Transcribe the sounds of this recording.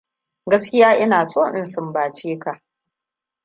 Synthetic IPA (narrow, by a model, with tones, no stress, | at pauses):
ɡɐ˦skʲɪ˦jaː˦ʔɪ˦naː˨sʼoː˦ʔɪ˨nsɪ˨mbaː˨t͡ʃiː˦ka˨ʔ